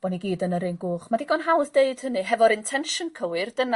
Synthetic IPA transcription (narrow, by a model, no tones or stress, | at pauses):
b̥ɔniɡiːdənəɾɪnɡʊːχmadiɡɔnɦawθd̥eɨd̥hənɨɦɛvɔɾɪntʰɛnʃənkʰəwɨrd̥əna